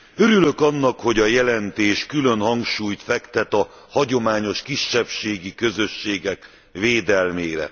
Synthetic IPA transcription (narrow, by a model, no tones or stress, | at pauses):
ø̞ɾylø̞kɒnːɒkho̞ɟɒjɛlɛnt̪eːʃkylønhɒŋɡʃuːjt̪fɛkt̪ɛt̪ɒ | hɒɟo̞maːɲo̞ʃkiʃːɛpʃeːɡikø̞zø̞ʃːeːɡɛk | veːd̪ɛlmeːɾɛ̰